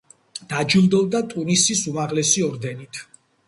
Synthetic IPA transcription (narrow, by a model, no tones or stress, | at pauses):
d̪̥ad͡ʒulˠd̪ɔld̪at̪ʼunisisumaʁlɛsiɔɾd̪ɛnit̪ʰ